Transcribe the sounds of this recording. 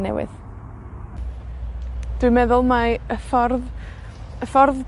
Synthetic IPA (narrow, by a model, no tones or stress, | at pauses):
nɛ̰wɪ̰ð | d̥wɨmɛðʊlˠmaəfɔrð | əfɔrð